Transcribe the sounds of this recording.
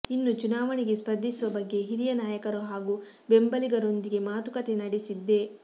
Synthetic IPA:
inːut͡ʃunaːʋɐɳiɡe̞spɐd̪ʱːisuʋɐbɐɡːe̞ɦiɾijɐnaːjɐkɐɾuɦaːɡu | be̞mbɐliɡɐɾo̞nd̪iɡe̞maːt̪ukɐt̪e̞nɐɽesid̪ːe̞

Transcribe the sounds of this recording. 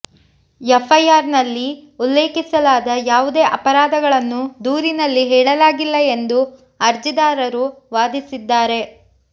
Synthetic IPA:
efʰɐjaːɾnɐlːiulːe̞ːkisɐlaːd̪ɐjaːʋud̪e̞ːʔɐpɐɾaːd̪ɐɡɐɭɐnːud̪uːɾinɐlːiɦɛːɭɐlaːɡilːɐe̞nd̪u | ɐɾd͡ʒid̪aːɾɐɾuʋaːd̪isid̪ːaːɾe̞

